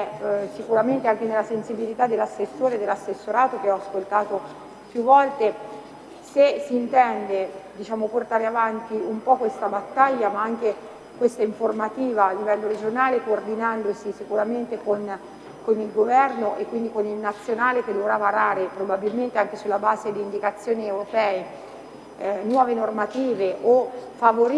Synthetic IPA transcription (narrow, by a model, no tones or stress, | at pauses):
ɛsikuɾament̪eaŋk̟enelːasensibilit̪ad̪ːelːasːesːoːɾed̪elːasːesːoɾaːt̪ok̟eɔaskolt̪aːt̪o | pjuvːɔlt̪e | sesiːnt̪ɛnd̪ed̪it͡ʃaːmoport̪aːɾeavant̪iumpɔkːwest̪abat̪ːaʎːamaaŋk̟e | kwest̪aiɱformat̪iːvaːlːivɛlːoɾed͡ʒonaːlekoːrd̪inand̪osisikuɾament̪ekon | konilɡovɛrnoʔekːwind̪ikonilnat̪sːjonaːleked̪ovɾavaɾaːɾepɾobabilment̪eaŋk̟esulːabaːzed̪iːnd̪ikat̪sːjoːniewɾopɛːe | nwɔːvenormat̪iːveʔofavoɾ